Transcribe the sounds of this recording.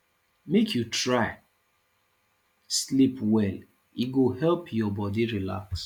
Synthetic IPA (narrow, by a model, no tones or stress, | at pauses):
mekʰjutɹaɪ | slipwɛl | iɡohɛlpʰjɔbɔdiɹila̰ks